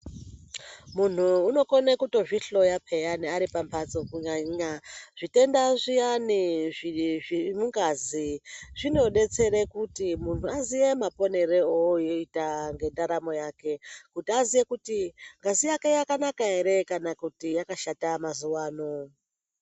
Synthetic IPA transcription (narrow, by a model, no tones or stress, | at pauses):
mun̤uːno̞ko̞nekuto̞ʐiɬo̞japʰe̞janiaɾipampʰat͡so̞kuɲaɲaʐite̞ndaʐijaniʐiʐimuŋɡaziʐino̞ɗe̞t͡se̞ɾekutimun̤uazije̞mapo̞ne̞ɾeojoitaŋɡe̞ndaɾamo̞jake̞kutiazijekutiŋɡazijake̞jakanakaɦeɾe̞kanakutijakaʃatamazuwaːno